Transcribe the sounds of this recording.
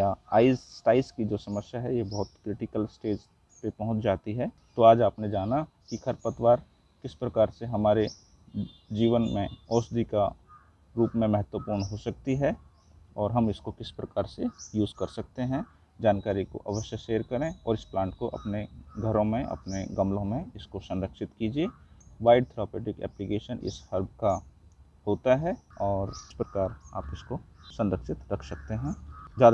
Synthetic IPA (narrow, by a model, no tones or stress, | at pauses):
jaaːɪzsʈaːɪskid͡ʒoːsɐməsjaɦɛjebɔɦʊt̪kɾɪʈɪkəlsʈeːd͡ʒ | pepɐɦʊ̃t͡ʃd͡ʒaːt̪iɦɛ | t̪oaːd͡ʒaːpned͡ʒaːna | kikʰɐɾpət̪waːɾ | kɪspɾɐkaːɾseɦɐmaːɾe | d͡ʒiːʋənmẽɔːsd̪ʱika | ɾuːpmẽmɛɦət̪wəpuːɾɳɦosɐk̚t̪iɦɛ | ɔːɾɦɐmɪskokɪspɾɐkaːɾsejuːzkɐɾsɐk̚t̪eɦɛ̃ | d͡ʒaːnkaːɾiko̰ʔɐʋəʃjəʃeːɾkɐɾẽɔːɾɪsplãːɳʈkoʔɐ̰pneɡʱəɾõmẽʔɐ̰pneɡɐmlõmẽɪskosɐ̃nɾəkʃɪt̪kiːd͡ʒieʋaːɪɖ̚t̪ʰɾaːpeːʈɪkɛ̰ːplikeːʃənʔɪ̰shɐɾbʱka | hoːt̪aɦɛɔːɾɪspɾɐkaːɾaːpɪskosɐ̃nɾəkʃɪt̪ɾɐkʰsɐk̚t̪eɦɛ̃ːd͡ʒaːd̪